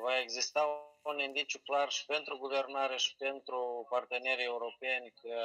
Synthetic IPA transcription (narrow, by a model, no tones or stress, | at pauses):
vae̞ɡzist̪aunind̪it͡ʃuklarʃi̥pe̞nt̪ɾuɡuve̞rnaɾe̞ʃi̥pe̞nt̪ɾupart̪e̞ne̞ɾie̞uɾo̞penʲkə